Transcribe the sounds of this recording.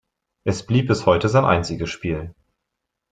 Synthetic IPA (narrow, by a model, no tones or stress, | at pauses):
ʔɛsb̥liːp̚b̥ɪshɔʏtəzaɪnʔa̰ɪnt͡sɪɡəsʃpiːl